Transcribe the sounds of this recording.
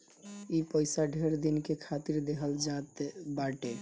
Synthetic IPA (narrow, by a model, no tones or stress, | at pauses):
ipəɪsaɖʱeɾd̪inkekʰat̪iɾd̪eɦəld͡ʒat̪baʈe